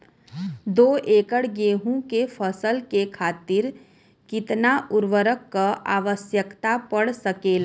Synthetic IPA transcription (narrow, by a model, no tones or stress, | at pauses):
d̪oːʔeːkəɽɡeːɦũkefʰəsəlkekʰaːt̪ɪɾ | kɪt̪naʔʊɾʋəɾəkːaʔaːʋəsjəkt̪apəɽsəkeːla